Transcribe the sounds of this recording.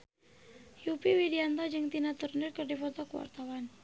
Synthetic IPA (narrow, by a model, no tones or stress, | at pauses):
jupiwidiant̪ɔd͡ʒɨŋt̪inat̪urnirkərdifɔt̪ɔkəwa̰rt̪awan